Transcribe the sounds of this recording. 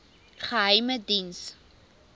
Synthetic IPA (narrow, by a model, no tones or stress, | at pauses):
χəɦəjmədins